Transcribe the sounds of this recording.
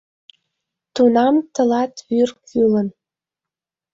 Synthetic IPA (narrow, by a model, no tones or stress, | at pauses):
t̪unɑmt̪ɤ̆lɑt̪βyrkylə̆n